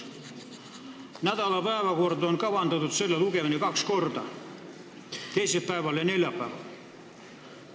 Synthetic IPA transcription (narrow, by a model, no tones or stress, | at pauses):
næt̪ɑlɑpæˑːʋækoort̪oŋkɑʋɑnt̪ɑt̪ut̪selːelukeʋenikɑkskort̪ɑ̰ | t̪eiselpæeʋælɑneljæpːæˑʋæ̰